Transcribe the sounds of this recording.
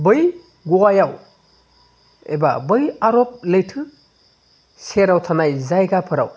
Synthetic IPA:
bɯj | ɡuwajaw | ḛbabɯjaɾɔp̚lɯjtʰɯ | seɾawtʰanajzajɡapʰɯɾa̰w

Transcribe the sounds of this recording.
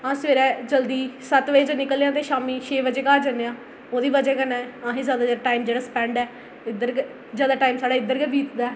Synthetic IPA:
ãːsʋeːɾɛːd͡ʒəld̪iːsət̪ʋeːd͡ʒnɪkəlːãːt̪eːʃaːmiːʃʰeːbəd͡ʒeːkaːd͡ʒənejãː | oːd̪iːbəd͡ʒɛːkənaːɛãːɦẽːzjaːd̪aːd͡ʒeaʈaːiːmd͡ʒeːɽaːspɛ̃ːɳɖɛː | ɪd̪əɾ | zjaːd̪aːʈaːiːmsaːɖaːɪd̪əɾkɛːbʱiːt̪d̪aːɛ

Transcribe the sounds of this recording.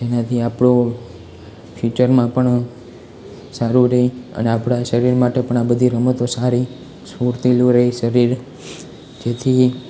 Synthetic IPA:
d͡ʒenat̪ʰiapɽo | fit͡ʃəɾmãpəɳ | saɾuɾəɦĩə̰neapɽaʃəɾiɾmaʈepəɳabəd̪ʱiɾəmət̪osaɾi | suɾt̪ilũɾəɦiʃəɾiɾ | d͡ʒet̪ʰi

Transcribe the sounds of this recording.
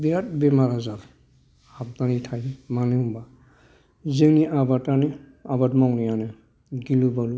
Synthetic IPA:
bijat̚bɛmaɾazat | hab̚danitʰajmaneumba | zeŋniʔabatani | abatmɔŋnijanɛ | ɡilubalu

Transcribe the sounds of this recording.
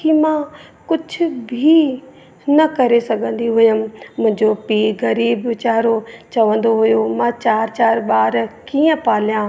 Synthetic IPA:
imãːkʊd͡ʑʱʰʊ̆bʱi | nɐkɐɾesɐɡʱə̃nd̪iɦʊjəmmʊ̃ɦɪ̃ɲd͡ʑopiːɡɐɾiːbt͡ɕaːɾot͡ɕɐʋə̃n̆d̪oɦʊjomãːt͡ɕaːɾt͡ɕaːɾɓaːɾkiːə̃paːljãː

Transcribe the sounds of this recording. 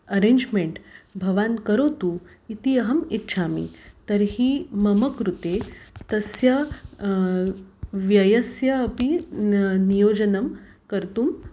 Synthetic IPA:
ɐɾẽːɲd͡ʒmeɳʈbʱɐʋaːnkɐɾoːt̪u | it̪iɐɦɐmit̪ːʃʰaːmḭt̪ɐɾɦimɐmɐkɾut̪eːt̪ɐsjɐ | ʋjɐjɐsjɐːpi | nijoːd͡ʒɐnɐm | kɐɾt̪um

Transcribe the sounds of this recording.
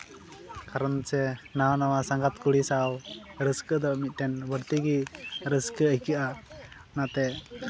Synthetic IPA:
kaɾɔnsɛnawnawasaŋɡat̪̚kuɽisawɾəskəd̪ɔmit̪̚ˀʈɛnwəɾt̪iɡiɾəskəəjkiʔa | nat̪ɛ

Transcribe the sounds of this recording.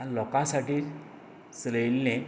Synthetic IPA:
alɔkãsaʈiː | sɾəjlːẽ

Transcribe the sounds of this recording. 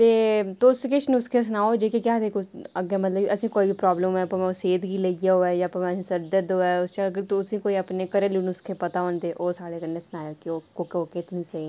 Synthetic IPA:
t̪eːt̪oskɪʃñʊskʰes̬ʊnaːod͡ʒeːkekjaːd̪eːkoəɡẽmət̪ləbəsĩːkoːiːbʱiːpɾɔːbləmɛ̃ːəpãːmɛ̃seːd̪ɡiləiɡaoːɛːjãːəpãːmɛ̃sĩːsəɾd̪əd̪oːɛːʊst͡ʃaəɡəɾt̪oʊsĩːkoːiəpneːkəɾeːluːnʊskʰepət̪aːõnd̪eːʔoːsaːɽeːkənnesnaːjoːkioːokeoːkeːt̪ʊsĩːse

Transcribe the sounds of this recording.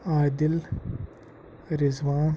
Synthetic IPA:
aːd̪ɪl | ɾɪzʋaːn

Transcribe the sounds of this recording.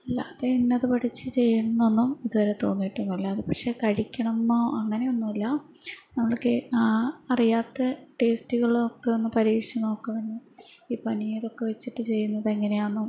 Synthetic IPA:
ɐlːɐːðeinːɐðɨpɐʈʰit͡ɕːɨt͡ɕe̞jːɐɳɐnːo̞nːumiðuʋɐɾet̪o̞ːnːijʈːunːuilːɐːðɨpɐkʂe̞kɐɻikʲːɐɳɐnːoːʔɐŋːɐne̞jo̞nːuɐlːɐ | nɐmːɐɭkeaɐrijaːt̪ːe̞ʈe̞ːstuɣɐɭokːeonːɨpɐɾiːkʂjɐɳɐokːeʋɐnːu | iːpɐnijiɽo̞kːe̞ʋet͡ɕːiʈːɨt͡ɕe̞jːunːɐðeŋːɐne̞jaːnːu

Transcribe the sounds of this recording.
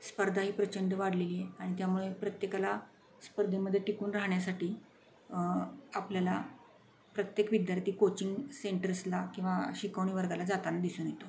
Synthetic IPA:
spəɾd̪ʱaɦiːpɾət͡ɕəɳɖəʋaɽ̤leliːjeaɽ̃it̪jamuɭepɾət̪jekala | spəɾd̪ʱeməd̪ʱːjeʈikuːnɾaɦɳjasaʈiː | apljala | pɾət̪jekʋid̪jaɾt̪iːkot͡ɕiŋɡseɳʈəɾslakĩw̃ʋaɕikəʋɳ̃iːʋəɾɡalad͡zat̪anad̪isuːnjet̪o

